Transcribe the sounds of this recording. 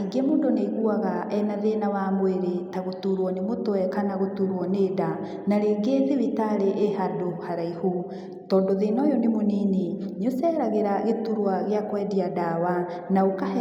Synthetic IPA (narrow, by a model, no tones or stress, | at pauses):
iɡemoːndoneɣuaɣaʔɛnaðenawamweɾetaɣotuɾwɔnemotwɛkanaɣotuɾwɔneda | naɾeːɡeːðeβitaɾeʔehadohaɾaihu | tɔːndoðenɔjɔnemoniːneɲosɛɾaɣeɾaɣetuɾwaɣeakwɛdiadawa | naoka